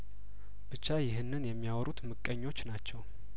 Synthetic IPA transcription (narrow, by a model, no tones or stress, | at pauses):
b̥ɨt͡ʃːajɪɦɨnːɨnjɛmːijawɔɾut̪mɨkʼːəɲːo̞t͡ʃːnat͡ʃːɛw